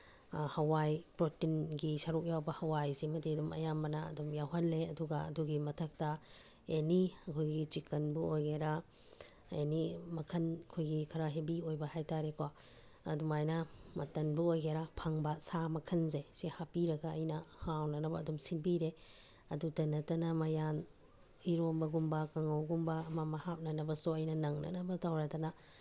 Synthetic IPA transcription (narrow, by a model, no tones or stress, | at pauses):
hɐwajpɾotinɡisɐɾuk̚jawbɐhɐwajsimɐdiɐdumɐ̰jambɐnɐɐ̰dumjawɦɐnleɐduɡɐɐ̰duɡimɐtʰɐk̚tɐ | eniɐkʰojɡit͡ʃikɐnbuojɡeɾa | ḛnimɐkʰɐnɐkʰojɡikʰɐɾaɦebiojbɐhajtaɾekwa | ɐ̰dumajnɐmɐtɐnbuojɡeɾapʰɐŋbasamɐkʰɐnzesihapiɾɐɡɐːjnɐhawnɐnɐbɐːdumsinpiɾe | ɐdutɐnɐtɐnɐmɐjan | iɾombɐɡumbɐkɐŋawɡumbaːmamɐhap̚nɐnɐbɐsuɐjnɐnɐŋnɐ̰nɐbɐtawɾatanɐ